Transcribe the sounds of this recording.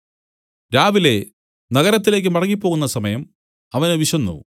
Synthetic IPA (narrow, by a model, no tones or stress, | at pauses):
ɾaːʋile̞ | nɐɣɐɾɐt̪ːile̞ːk̬ːɨmɐrɐŋːipːo̞ːɣunːɐsɐmɐjɐm | ɐʋɐneʋiɕɐnːṵu